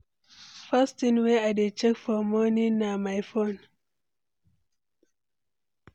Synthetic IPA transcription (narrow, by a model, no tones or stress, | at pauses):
fastĩnweadet͡ʃɛkfɔmɔninamajfon